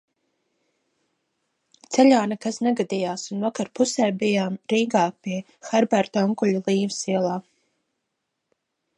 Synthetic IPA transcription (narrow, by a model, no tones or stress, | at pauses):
t̪sɛʎaːnɛkasnɛɡad̪ijaːsunvakaɾpusɛːbijaːmɾiːɡaːpiɛ | xaɾbæɾt̪ɔŋkuʎulˠiːvsiɛlˠaː